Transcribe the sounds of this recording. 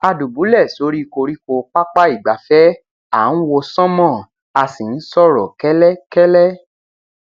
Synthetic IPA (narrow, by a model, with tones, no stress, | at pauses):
a˧du˨bu˨˦lɛ˦˨so˧˦ɾi˦˧ko˧ɾi˦ko˧k͡pa˦k͡pa˦i˦˨ɡ͡ba˨fɛ˦ | a˨n̩˦wo˧sɔ̃˦mɔ̃˦˨ | a˧sĩ˨n̩˦sɔ˦ɾɔ˨kɛ˦lɛ˦kɛ˦lɛ˦